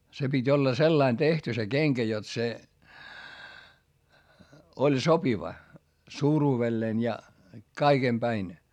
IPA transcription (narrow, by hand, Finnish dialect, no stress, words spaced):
se pitʲ olːɑ selːɑin tehty se keŋkæ jot se olʲ sopiʋɑ suːruːʋelːeːn jɑ kɑiɡ̊em pæin